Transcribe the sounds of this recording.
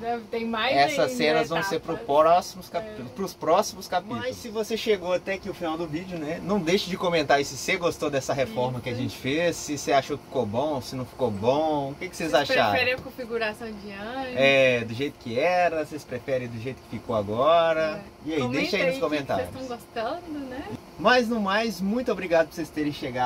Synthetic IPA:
d̪ɛɪt̪ẽj̃majɛsɐssːẽnɐzvɐ̃w̃seɾpɾʊspɾɔsimʊskapit̪ulˠʊspɾʊspɾɔsimʊskapimt̪jsɪvoseʃeɡoat̪ɛakiʊfinawd̪ʊvid͡ʒʊnɛnɐ̃w̃d̪ejʃɐd͡ʒɪkõmẽnt̪aɾisɪseɡost̪od̪ɛsɐɦefɔɾmɐkɪaʒẽt͡ʃɪ̥fesːɪseaʃokɪ̥fi̥kobõw̃osɪnɐ̃w̃fi̥kobõw̃ʊkɪkɪ̥sezaʃafɛɾẽj̃ɐkõfiɡuɾasɐ̃w̃d͡ʒiɐ̃ɛd̪ʊʒejt̪ʊ̥kɪɛɾɐsespɾefɛɾẽj̃d̪ʊʒejt̪ʊ̥kɪ̥fikowaɡɔɾɐ | iaid̪ejʃʃɐĩnʊskõmẽnt̪asḛsɾʊt̪ɐ̃w̃ɡost̪ɐ̃d̪ʊnɛ | mɐjznũmajzmũj̃t̪ʊobɾiɡad̪ʊpoɾsest̪eɾẽj̃ʃeɡa

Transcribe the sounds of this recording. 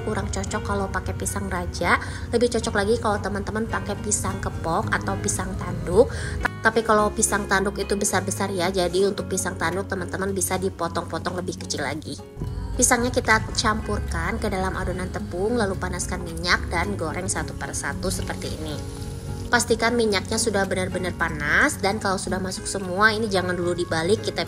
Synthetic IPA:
kuɾaŋt͡ʃɔt͡ʃɔkːalawpakɛpisaŋrad͡ʒaʔ | ləbɪht͡ʃɔt͡ʃɔklaɡikalawt̪əmant̪əmanpakɛpisaŋkəpɔkat̪awpisaŋt̪andʊk̚t̪apikalawpisaŋt̪andʊkit̪ubəsarbəsarjad͡ʒadiunt̪ʊk̚pisaŋt̪andʊk̚t̪əmant̪əmanbisadipɔt̪ɔŋpɔt̪ɔŋləbɪhkə̥t͡ʃɪla̰ɡi | pisaŋɲakit̪at͡ʃampurkankədalamʔa̰donant̪əpʊŋlalupanaskanmiɲak̚danɡoɾɛŋsat̪upərsa̰t̪usəpərt̪iːni | past̪ikanmiɲak̚ɲasudahbənərbənərpanasdankalawsudahmasʊ̥k̚səmuainid͡ʒaŋanduludibalɪkːit̪a

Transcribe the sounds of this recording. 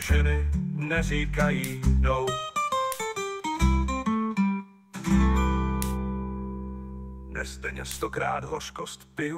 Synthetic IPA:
ʒɛnɪnɛriːkajiːdow | nɛst̪ɛɲɛst̪okɾa̰ːd̪ɦoʃkost̪pɪ

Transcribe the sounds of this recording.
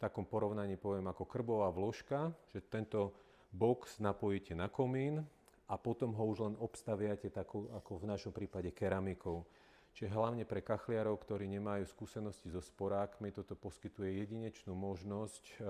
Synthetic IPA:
ft̪akɔmpɔɾɔʊnaɲiːpɔʋɪɛmakɔkr̩bɔʋaːʋlɔʃkaʒ̥ɛt̪ɛnt̪ɔ | bɔksnapɔjicɛnakɔmiːn | apɔt̪ɔmɦɔuʒlɛnɔpst̪aʋɪacɛt̪akɔʊakɔvnaʃɔmpɾiːpaɟɛkɛɾamikɔʊ | t͡ʃiʒɛɦlaʊɲɛpɾɛkaxlɪaɾɔʊkt̪ɔɾiːɲɛmajuːskuːsɛnɔscizɔspɔɾaːkmit̪ɔt̪ɔpɔskit̪ujɛjɛɟiɲɛt͡ʃnuːmɔʒnɔsc

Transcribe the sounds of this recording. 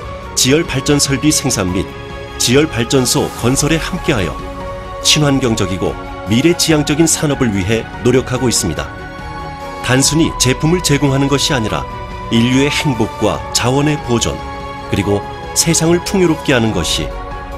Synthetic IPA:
t͡ɕijʌɭpaɭt͡ɕ͈ʌnsʰʌɭbisʰe̞ŋsʰamːit̚ | t͡ɕijʌɭpaɭt͡ɕ͈ʌnsʰokʌnsʰʌɾe̞hamk͈e̞ɦajʌ̰ | t͡ɕʰimɦanɡjʌŋd͡ʑʌɡiɡo̰ | miɾe̞t͡ɕijaŋd͡ʑʌɡinsʰanʌbɯɭɥiɦe̞ | noɾjʌkʰaɡois͈ɯmɲida̰ | tansʰuɲit͡ɕe̞pʰumɯɭt͡ɕe̞ɡoŋɦanɯnɡʌɕʰiaɲiɾa̰ | iʎːue̞heŋbok̚k͈wa̰t͡ɕawʌne̞pod͡ʑʌ̰n | kɯɾiɡo | sʰe̞sʰaŋɯɭtʰuŋjoɾop̚k͈e̞ɦanɯnɡʌɕʰḭ

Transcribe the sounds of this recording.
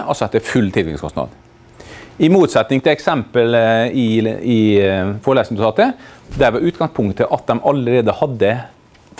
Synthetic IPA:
ʔɑsɔɛt̪ːɛfʉlːt̪ʰɪlʋɪ̰ɪ̰skʰʊ̰stnɑ̰ːd̪ | ɪmuːt̪sɛt̪nɪŋt̪ʰɪlɛksɛmpəlɪɪfɔɾɭeːsənəd̪ʊt̪ʰɑːt̪əd̪æɾʋɑɾʉːt̪ɡɑŋspʰʊŋkt̪əʔɑt̪̚d̪ɛmɑləɾeːd̪əhɑd̪ːə

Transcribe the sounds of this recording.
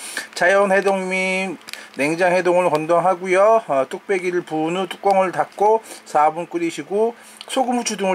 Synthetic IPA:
t͡ɕajʌnhe̞doŋminːe̞ŋd͡ʑaŋhe̞doŋɯɭkʌndʌŋɦaɡujʌt͈uk̚p͈e̞ɡiɾɯɭpunut͈ʰu̥k͈̚ʌŋɯɭtak̚k͈osʰabunk͈ɯɾiɕʰiɡo | sʰoɡɯmut͡ɕʰuduŋɯ

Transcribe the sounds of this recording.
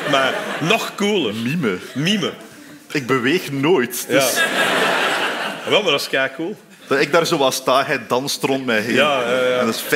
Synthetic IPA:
maɾnɔxkuːlˠəmiməmimə | ɪɡ̚bəʋeːxnoːjtdøas | wɛlˠmadɑskɛːkuːlˠ | d̥ɑɪɡ̚daːrzoːʋɑstaːɣɛjdɑnstrɔntmɛjɦeːaaɛndɪsf

